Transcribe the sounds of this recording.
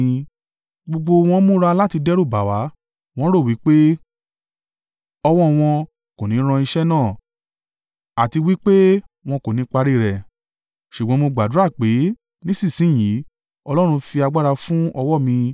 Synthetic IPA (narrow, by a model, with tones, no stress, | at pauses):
ɡ͡bo˧ɡ͡bo˧w̃ɔ̃˧˦mũ˦ɾa˧la˦ti˧dɛ˦ɾu˦˨ba˨wa˨˦ | w̃ɔ̃˦ɾo˦˨wi˨˦k͡pe˦ | ɔ˧wɔ˦˨w̃ɔ̃˧ | ko˨nĩ˨˦ɾ̃ã˧i˧ʃɛ˦nãː˦˨ | a˨ti˧wi˦k͡pe˦w̃ɔ̃˧ko˨nĩ˨˦k͡pa˧ɾi˦˨ɾɛ˨ | ʃu˨ɡ͡bɔ̃˨˦mo˧ɡ͡ba˨du˨˦a˦˨k͡pe˨˦ | nĩ˦sĩ˦˨sĩ˨˦˨j̃i˨˦ | ɔ˧lɔ˦ɾ̃ũ˧fi˧a˧ɡ͡ba˦ɾa˧fũ˦ɔ˧wɔ˦˨mĩ˧